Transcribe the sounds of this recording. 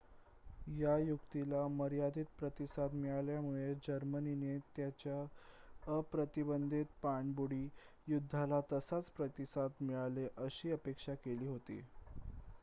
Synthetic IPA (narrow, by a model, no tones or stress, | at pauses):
jajukt̪ilaməɾijad̪ʱiːt̪̚pɾət̪isad̪miɭaljamuɭed͡ʑəɾməninet̪jat͡ɕja | əpɾət̪ibənd̪ʱit̪̚paɳbuɽiː | jud̪ʱːalat̪əsat͡spɾət̪isad̪miɭaleʔəɕiːəpekʂakeliːɦot̪ḭː